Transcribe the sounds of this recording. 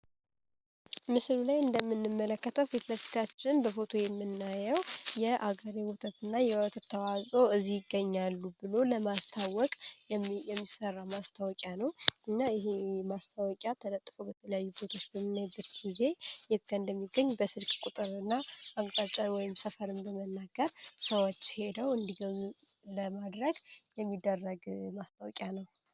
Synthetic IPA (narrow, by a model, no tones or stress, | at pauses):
mɨslulajɨnd̪əmːɨnːɨmːələkːət̪ʰəwfet̪ləfi̥t̪ʰat͡ʃːɪnbəfo̞t̪ʰo̞jɛmːɨnːajəwjɛʔaɡəɾiwɔt̪ʰət̪ɨnːajɛət̪ʰət̪ʰːəwazʼoɨzːijɪɡːəɲːalːubɨlo̞ləmast̪ʰawɔkʼjɛmːisərːamast̪ʰawɔkʼjanəwɨnːajɪɦemast̪ʰawɔkʼjat̪ʰələt̪ʼːfobət̪ʰələjajːubo̞t̪ʰo̞t͡ʃːbəmːɨnajbːət̪ɡize̞jɛt̪̚ɡənd̪əmːiɡːəɲːbəsɨlkʼkʼut̪ʼɨɾɨnːaakʼt̪ʼat͡ʃʼawɔjɪmsəfəɾɨmbəmənːaɡəɾsəwot͡ʃːhe̞d̪əwɨnd̪iɡələmad̪ɾəɡjɛmːid̪ːərːəɡmast̪ʰawɔkʼjanəw